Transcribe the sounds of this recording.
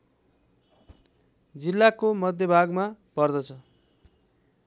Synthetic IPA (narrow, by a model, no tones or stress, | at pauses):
d͡zilːakomʌd̪jʌbʱaɡmapʌrd̪ʌt͡sʰʌ